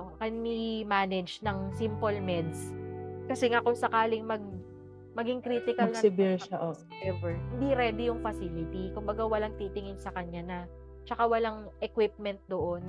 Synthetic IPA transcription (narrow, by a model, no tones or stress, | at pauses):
kɐnmimaːnɛd͡ʒnɐŋsimpolmɛd̪skɐsɛŋakʊŋsɐkaːlɪŋmɐɡ̚ | mɐɡɪŋkɾiːt̪ɪkɐlnɐŋɪbɪɹʃaʔo | ʔɛvɛɹhɪnd̪iɾɛːd̪ɪjʊŋfɐsilɪt̪ikʊmbɐɡawɐlaŋt̪it̪ɪŋɪnsɐkɐɲːanɐ | t͡ʃɐkawɐlaŋʔɛkwɪp̚mɛnt̪̚d̪oʔon